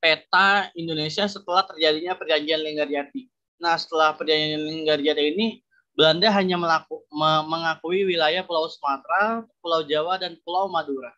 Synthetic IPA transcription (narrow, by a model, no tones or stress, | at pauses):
pet̪aindonesiasət̪əlaht̪ərd͡ʒadiɲapərd͡ʒaŋɡianliŋɡard͡ʒat̪i | nahsə̥t̪əlahpərd͡ʒaŋɡianlɛŋɡariat̪iini | bəlandaɦaɲaməlaməməŋakuiwilajahpulawsəmat̪ɾapulawd͡ʒawadanpulawmaduɾa